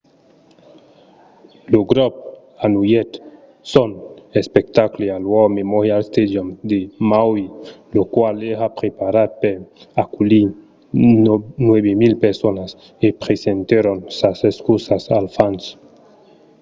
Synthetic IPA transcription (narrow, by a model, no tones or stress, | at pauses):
loɡɾop̚ | anujet̪ | sonespekt̪aklealwomemohealst̪ed̪jomd̪emawilokwaleɦapɾepaɾad̪̚peɾ | akuli | nweβemilpeɾsonas | epɾesent̪eɾonsaseskusasalfans